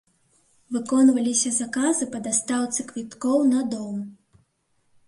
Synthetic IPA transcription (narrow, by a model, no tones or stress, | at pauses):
vɨkɔnvɐlʲisʲɐzakazɨpɐd̪ast̪awt̪sɨkvʲit̪kɔwnɐd̪ɔm